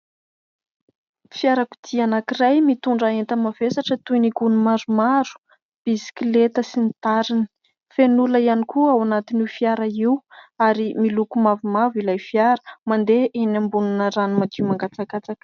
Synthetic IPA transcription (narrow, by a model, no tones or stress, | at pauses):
fiaɾaku̥d̪ianakirajmit̪uɳɖ͡ʐaent̪əmav̥esaʈ͡ʂət̪unikunumaɾumaɾu̥ | b̥isi̥kilet̪əsinit̪aɾini̥ | fenuləianikuawanat̪inifiaɾaiwaɾimilukumavumavilajfiaɾə̥mand̪eʔenambununəɾanumad̪iwmaŋɡat͡sakat͡sak